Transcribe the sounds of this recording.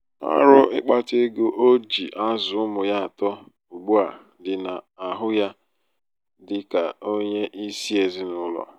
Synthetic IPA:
a̰˦ɾʊ˦ʔɪ˦k͡pa˦te˦ɡo˦ʔo˦d͡ʒi˨ʔa˦zʊ˨ʊ˦mʊ˨ja˦a˨tɔ˦ | u˨ɡ͡bu˦a˨ | dɪ˨na˨a˨ɦʊ˦ja˦ | dɪ˨ka˨o˦ɲe˦ʔi˦si˦e˨zɪ˦nʊ˦lɔ̰˨

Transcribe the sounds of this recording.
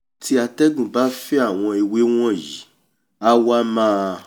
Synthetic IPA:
tʰi˦a˧tɛ˦ɡũ˨ba˦fɛ˦a˦˨w̃ɔ̃˧i˧we˦w̃ɔ̃˦˨ji˨˦ | a˦wa˦mãː˦˧

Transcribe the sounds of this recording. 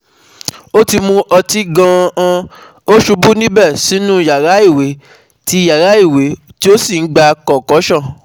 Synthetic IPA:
o˦ti˧mũ˧ʔɔ˧ti˦ɡã˧ã˧ | o˦ʃu˧bu˦nĩ˦bɛ˦˨si˨˦nũ˦˨ja˨ɾa˨˦i˦˨we˨˦ | ti˦˧ja˨ɾa˨˦i˦˨we˨˦ti˦o˦si˦˨n̩˦ɡ͡ba˧kɔ˨kɔ˨˦ʃã˦˨

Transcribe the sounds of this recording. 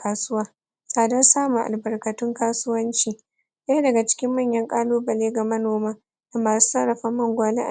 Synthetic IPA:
kaː˦sʊ˦waː˦ | sʼaː˨dɐ˦rsaː˦mu˨ʔa̰˨lbɐ˨rkɐ˨tʊ˦ŋkaː˦sʊ˦wɐ˦nt͡ʃiː˨ | ja˦dɐ˨ɡa˨t͡ʃɪ̥˦kʲɪ˦mːɐ˦˨ɲjɐ˦ŋkʼaː˦loː˦bɐ˨leː˦ɡa˨mɐ˦noː˨maː˦ | da˨maː˨su̥˦sɐ˦ɽɐ˨ɸɐ˦mːɐ˦ŋɡʷaː˨le˦ʔa̰˨

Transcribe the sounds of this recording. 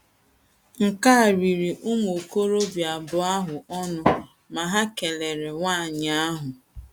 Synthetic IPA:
ŋ̩˨ka˦˨ɾi˨ɾi˨ʔʊ˦m˨o˨ko˦ɾo˦bja˨bʊ˨a˦ɦʊ˨ɔ˦nʊ˦ | ma˨ɦa˦ke˨le˨ɾe˨ŋʷa˦˨ɲ˦a˦ɦʊ˨

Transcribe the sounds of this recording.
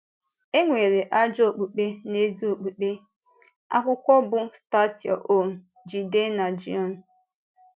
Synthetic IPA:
e˦ŋʷe˨ɾe˨ʔa˦d͡ʒo˨k͡pu˨k͡pe˦ne˦zu˦o˨k͡pu˨k͡pe˦ | a̰˦kʷʊ˦kʷɔ˦bʊ˦sta˦ti˨ɔ̰˨ʔo˦˨ | d͡ʒi˨de˦na˨d͡ʒḭ˦ɔ˦˨n˨

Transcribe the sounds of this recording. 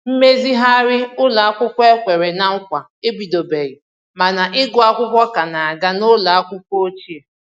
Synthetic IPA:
m̩˦me˦zi˦ɦa˦ɾɪ˦ʊ˦la˨a˦kʷʊ˦kʷe˦kʷe˨ɾe˨na˨ŋ̩˦kʷa˨ | e˦bi˨do˨be˨ɣi˨ | ma˨na˨ʔɪ˦ɡʊ˦a˦kʷʊ˦kʷɔ˦ka˨na˨a˨ɡa˦nʊ˦la˨a˦kʷʊ˦kʷo˦o˦t͡ʃi˦e˨

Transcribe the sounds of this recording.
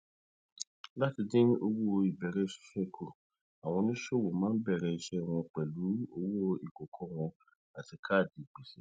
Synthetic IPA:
la˦ti˧dĩ˦o˧wo˦o˧i˨bɛ˨ɾɛ˦˨ʃi̥˨ʃɛ˦˨kʰo˨ | a˨w̃ɔ̃˧nĩ˦ʃo˦˨wo˨mãː˨˦bɛ˦˨ɾɛ˧i˧ʃɛ˦˨w̃ɔ̃˧k͡pɛ˨lu˨˦o˧wo˦o˧i˨ko˨kʰɔ˦w̃ɔ̃˧ | a˨ti˨˧kʰa˦˨di˨k͡pe˨ʃɛ˨

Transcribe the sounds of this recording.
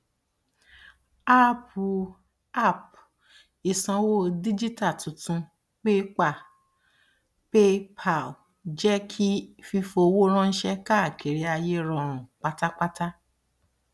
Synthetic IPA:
a˦˨pu˨ | a˦˨p̚ | i˨sã˧wo˦di˦d͡ʒi˦ta˦˨tũ˨tũ˧ | k͡pe˦k͡pa˦˨ | pe˦pʰa˦˨l | d͡ʒɛ˦kʰi˦fi˧fo˧wo˦ɾ̃ɔ̃˦n̩˦ʃɛ˧ka˦˨kʰe˨ɾi˨˦a˧je˦ɾɔ̃˧˦˨ɾ̃ũ˨k͡pa˦ta˦k͡pa˦ta˦

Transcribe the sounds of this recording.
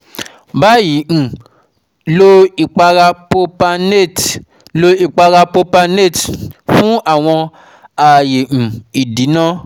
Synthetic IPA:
ba˦jĩ˨˦˨ | lo˧˦i˨k͡pa˧ɾa˧po˧pa˧ne˦˨t | lo˧i˦˨k͡pa˧ɾa˧po˧pa˧ne˦˨tfũ˦a˦˨w̃ɔ̃˧ | a˨jẽ˨i˨di˨˦nã˦

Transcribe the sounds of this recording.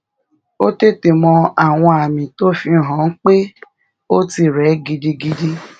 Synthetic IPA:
o˦te˦˨te˨mɔ̃˧a˨w̃ɔ̃˧a˨mĩ˨to˦fĩ˧˨ɦɔ̃˨˦n̩˦k͡pe˦ | o˦ti˧˨ɾɛ˨˦ɡi˧di˧ɡi˧di˧

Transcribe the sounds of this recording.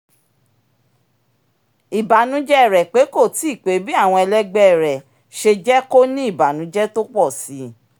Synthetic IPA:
i˨ba˨nũ˨˦d͡ʒɛ˦˨ɾɛ˨k͡pe˨˦ko˦˨ti˨˦i˦˨k͡pe˨˦bi˦a˦˨w̃ɔ̃˧ɛ˧lɛ˦ɡ͡bɛ˦˨ɾɛ˨ | ʃe˧d͡ʒɛ˦ko˦nĩ˦i˦˨ba˨nũ˨˦d͡ʒɛ˦to˦k͡pɔ˦˨si˨˦

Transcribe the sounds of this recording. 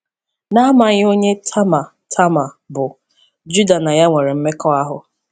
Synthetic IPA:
na˦ma˨ɲɪ˦o˦ɲe˦tʰa˦ma˨ | tʰa˦ma˨ | bʊ˨ | d͡ʒu˦da˨na˨ja˦ŋʷe˨ɾe˨m̩˦me˦kɔ˦a˦ɦʊ̰˨

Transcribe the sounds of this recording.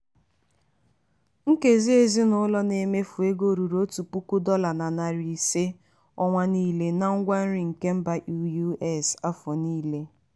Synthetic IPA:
ŋ̩˦ke˨zi˦e˦zi˦nʊ˦lɔ˦ne˨me˦fu˨e˦ɡo˦˨ɾu˨ɾo˦tu˨pu˦ku˦dɔ˦la˨na˨na˨ɾi˨se˦ | ɔ˦ŋʷa˦niː˦le˦na˦ŋ̩˦ɡʷa˦n̩˦ɾi˨ŋ̩˨ke˦m̩˦ba˨ʔu˦ju˦ɛ˦˨sa˦fɔ˨niː˦le˦

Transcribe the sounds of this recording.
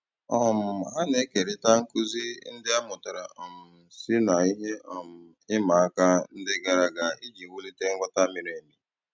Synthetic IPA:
ɔ˦˨m̩˨ɦa˦ne˦ke˨ɾɪ˦ta˦ŋ̩˦ku˦zi˦n̩˦dɪ˦a˦mʊ˨ta˨ɾa˨ʔɔ˨m̩˨si˦na˨i˦ɦe˦ɔ˨m̩˨ | ɪ˦ma˨a˦ka˦n̩˦dɪ˦ɡa˨ɾa˦ɡa˨i˦d͡ʒi˨wu˦li˦te˦ŋ̩˦ɡʷa˦ta˦mɪ˨ɾe˨mi˨

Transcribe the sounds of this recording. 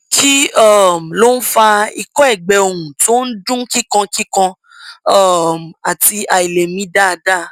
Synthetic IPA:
ki˦ɔ˦˨m˨lo˦n̩˦fa˧i˧kɔ˦ɛ˦˨ɡ͡bɛ˨o˨ɾũ˨to˦n̩˦dũ˦ki˦kã˧ki˦kã˧ | ɔ˦˨m˨a˨ti˧ʔa˨i˨le˨mĩ˨˦da˦˧da˦˨

